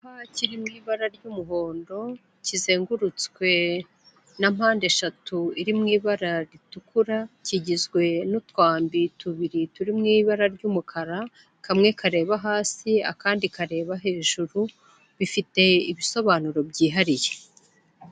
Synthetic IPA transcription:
haciɾimŋiːβaɾaɾɟumuɦo̞ːndo̞ | cize̞ːŋɡuɾut͡skwe̞ | namaːnde̞ʃatuiɾimŋiːβaɾaɾitukuɾaciɟizɡwe̞nutwaːmbituβiɾituɾimŋiːβaɾaɾɟuːmukʰaɾa | kamŋe̞kʰaɾe̞ːβaɦaːsia̰kaːndikaɾe̞ːβaɦe̞ːʒuɾu | βifite̞iβiso̞βaːnuɾo̞bɟiːɦaɾije

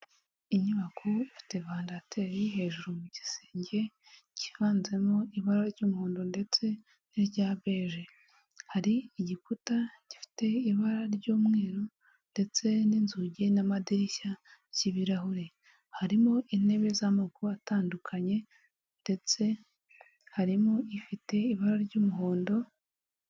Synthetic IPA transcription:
iɲuβakʰuifi̥te̞βaːndatʰe̞ːɾiɦe̞ːʒuɾumuɟise̥ːɲɟe̞ | ci̥vaːnze̞mo̞iβaɾaɾɟuːmuhuːndonde̞t͡se̞ | niɾɟaːβe̞ːʒe | haɾiːɟikutaɟifi̥te̞iβaɾaɾɟuːmŋe̞ːɾo | nde̞t͡se̞niːnzuɟenamadiɾiʃaciβiɾahuɾe̞ | haɾimo̞ʔine̞βe̞zamaɡuataːndukʰaɲe̞ | nde̞t͡se̞ | haɾimo̞ifite̞iβaɾaɾɟuːmuɦoːndo̞

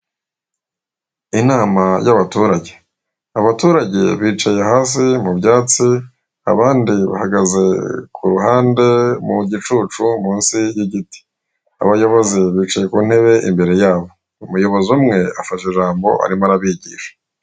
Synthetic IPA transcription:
inaːmajaβatuːɾaɟe̞ | aβatuːɾaɟe̞̰βiːt͡ʃajeaɦaːs̬imubjaːt͡si | a̰βaːndiβa̰haɡaze̞kʰuɾuɦaːnde̞muɟit͡ʃuːt͡ʃumũːnsijiɟiti̥ | a̰βajo̞βo̞ziβiːt͡ʃaje̞kuːn̥he̞βe̞ʔimbe̞ɾe̞jaːβo̞ | umujo̞βo̞zumŋe̞afaʃeʒaːmbo̞̰ʔa̰ɾimaɾaβiɟiʃḁ

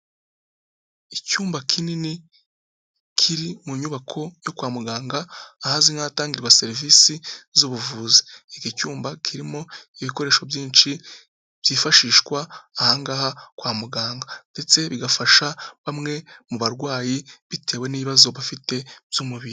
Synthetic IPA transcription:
icuːmbakʰinini | kʰiɾimuɲuβakʰo̞jo̞kwaːmuɡaːŋɡaːhaziŋaːtaːŋɡiɾɡwase̞ɾivisizuβuvuːzi̥ikicuːmbakʰiɾimo̞iβiko̞ɾe̞ːʃo̞bjiːnt͡ʃi | b̥jiːfaʃiːʃkwaːhaːŋɡaːhakwaːmuɡaːŋɡande̞t͡se̞βiɡafaʃaβamŋe̞muβaɾɡwaːjiβite̞ːwe̞niːβiβazo̞βafite̞v̥jumuβiɾi

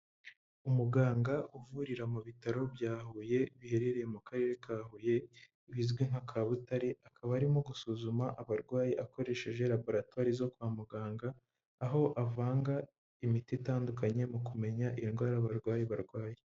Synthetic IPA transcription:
umuɡaːŋɡaʔuvuɾiɾamuβitaɾo̞bjaːhuje̞βihe̞ɾe̞ɾe̞jemukaɾe̞ɾe̞kaːhuje̞ | βizɡweŋhakʰaːβutaɾeʔakʰaβaːɾimoɡusuːzumaʔaβaɾɡwaːjiʔako̞ɾe̞ʃe̞ʒe̞ɾabo̞ɾatwaːɾizo̞kwaːmuɡaːŋɡaː | ɦo̞ʔavaːŋɡa | imititaːndukaɲe̞mukume̞ɲaʔinɡwaːɾaβaɾɡwaːjiβaɾɡwaːje

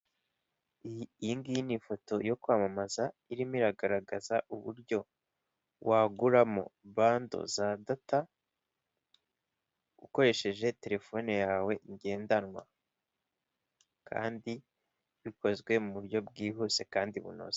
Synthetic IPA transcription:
iːŋɡijinifo̞to̞jo̞kwaːmamazaiɾimiɾaɡaɾaɡazaʔuβṵɾɟo̞ | wʔaɡuɾamo̞̰βaːndo̞̰zadata | uko̞ɾe̞ʃe̞ʒe̞te̞ɾe̞fo̞ːnejaːwe̞ʔiɲɟe̞ːndanŋwa̰ | kʰa̰ːndi | βiko̞zwe̞muβuɾɟo̞b̚ɡiːɦuse̞kaːndiβṵno̰ze

